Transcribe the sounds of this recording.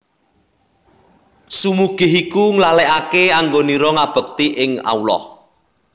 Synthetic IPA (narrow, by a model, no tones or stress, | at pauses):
sumuɡ̥ɪ̤ɦikuŋlalɛʔakeaŋɡoniɾɔŋab̥ə̤k̚t̪iʔɪŋa̰ulɔ̰h